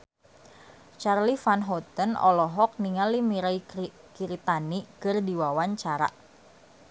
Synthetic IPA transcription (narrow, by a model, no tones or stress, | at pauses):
t͡ʃarlifanɦɔt̪ənɔ̰lɔɦɔk̚niŋalimiɾai | kiɾit̪anikɨrdiwawaɲt͡ʃaɾa̰ʔ